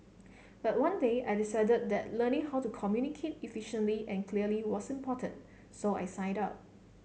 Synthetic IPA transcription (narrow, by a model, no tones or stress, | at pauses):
b̥at̚wãndeajdisaɪdəd̚d̪ɛt̚lənɪ̃ŋɦawtukʰɔmjunikʰet̚ifiʃə̃nliʔɛ̃nkʰliəliwɔsĩmpʰɔtə̃n | soa̰jsãɪ̃dap̚